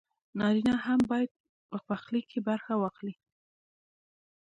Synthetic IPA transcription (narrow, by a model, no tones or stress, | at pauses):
nɑɾinaɦambɑjad̪̚ | pəpaxlikʰːebaɾxawɑxli